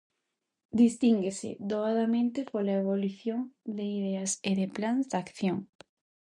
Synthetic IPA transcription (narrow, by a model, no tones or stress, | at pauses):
d̪ist̪iŋɡesɪ̰d̪oaðamẽnt̪ɪpolaeβ̞oluθjoŋd̪eiðeaseðɪplanzd̪akθjoŋ